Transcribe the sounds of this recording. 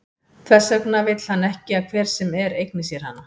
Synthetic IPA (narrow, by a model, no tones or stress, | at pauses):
kʰθɛsːœknavɪjt̪l̥hanːɛhcɪakʰvɛːɾ̥sɛmɛɾejknɪsjɛɾ̥ha̰nːa